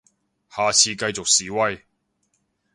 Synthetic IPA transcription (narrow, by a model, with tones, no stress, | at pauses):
haː˨t͡sʰiː˧kɐ˧jt͡so˨k̚siː˨wɐ˧j